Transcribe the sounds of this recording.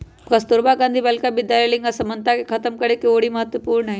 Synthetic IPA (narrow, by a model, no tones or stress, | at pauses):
kɐst̪oɾbaɡãnd̪ʱibɐlkabɪd̪jalelɪ̃ŋɡasɐmənt̪akekʰɐt̪əmkɐɽekeoːɽimɐɦət̪wəpuːɾɳəɦɛ